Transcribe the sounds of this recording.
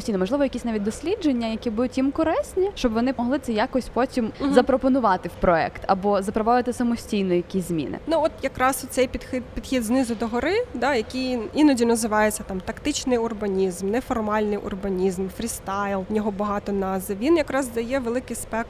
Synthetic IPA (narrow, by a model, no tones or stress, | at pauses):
sʲijnɔmɔʒlˠɪʋɔjɐkʲisʲnɑʋʲit̚ʲd̪ɔsʲlʲid͡ʒenʲːɐjɐkʲibud̪ʊtʲːimkɔɾɛsʲnʲiʃt͡ʃɔbʋɔnɪmɔɦlˠɪt̪sɛjakɔsʲpɔtʲimzɐpɾɔpɔnʊʋɑt̪ɪwpɾɔɛ̰kt̪ɐ̰bɔzɐpɾɔbɔʋɪt̪ɪsɐmɔsʲtʲijnɔjijɐkʲisʲzmʲḭnɪ̰nuɔt̪jɐkɾɑsɔt̪sɛjpʲid̪xɪd̪pʲid̪̥xʲid̪znɪzʊd̪ɔɦɔɾɪd̪ɑjɐkʲijinɔdʲinɐzɪʋɑjet͡sʲːɐt̪ɑmt̪ɐkt̪ɪt͡ʃnɪjʊrbɐnʲizmnɛfɔrmɑlʲnɪjʔʊ̰rbɐnʲizmfɾʲist̪ɑjlˠnʲɔɦɔbɐɦɑt̪ɔnɑzɪʋʲinjɐkɾɑzd̪ɐjɛʋelˠɪkɪjspɛkt̪